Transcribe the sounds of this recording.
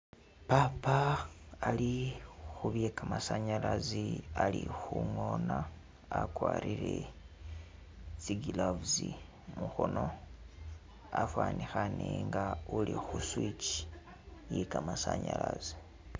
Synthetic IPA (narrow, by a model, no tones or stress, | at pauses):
papaː | lixuβjekamasaɲalazialixuŋo̞naː | kwaːɾiɾe | t͡siɡilavuzi | muxono̞ | afwaːnixaneŋɡaulixuswit͡ʃi | jikamasaɲalazi